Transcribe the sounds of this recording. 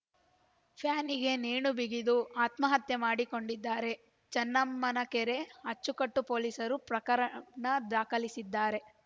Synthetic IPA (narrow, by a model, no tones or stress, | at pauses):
pʰjaːniɡe̞neːɳubiɡid̪uaːt̪mɐɦɐt̪jemaːɽiko̞ɳɖid̪ːaːɾe̞ | t͡ʃɐnːɐmːɐnɐkeɾe̞ɐt͡ʃːukɐʈːupo̞ːlisɐɾupɾɐkɐɾɐnɐd̪aːkɐlisid̪ːaːɾe̞